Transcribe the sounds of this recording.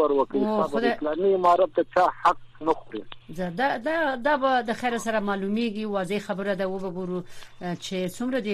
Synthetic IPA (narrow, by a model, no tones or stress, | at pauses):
əɾwəkawioxʊd̪elɑmimɑɾat̪̚d̪ət͡ʃɑhaq̚nəxoɾḭzad̪ad̪ɑd̪ɑbad̪əxaɾasaɾamɑlumeɡiwɑzexabəɾad̪awəbaɡoɾut͡ʃet͡sumɾad̪e